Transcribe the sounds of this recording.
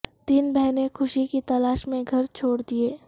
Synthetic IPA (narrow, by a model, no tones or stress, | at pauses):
t̪iːnbɛɦnekʰʊʃikit̪ɐlaːʃmẽɡʱɐɾt͡ʃʰoːɽd̪ieː